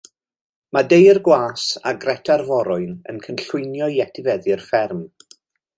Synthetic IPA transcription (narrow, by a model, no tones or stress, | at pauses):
madejrɡwaːsa̰ɡrɛtʰarvɔɾʊɨnə̰nkʰənɬʊnjɔjɛtʰɪvɛðɪrfɛrm